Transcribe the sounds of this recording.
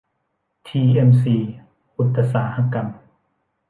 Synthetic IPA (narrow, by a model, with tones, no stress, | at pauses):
t̪ʰiː˧ʔe˧msiː˧ | ʔu˨˧˦t̪ːa˧saː˩˦ha˧ka˧m